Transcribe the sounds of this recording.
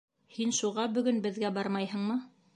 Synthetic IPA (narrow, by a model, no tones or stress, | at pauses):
hinʃuʁɑbɵ̆ɡɵnbɘ̆ðɡæbɑɾmɑjhɤ̆ɴmɤ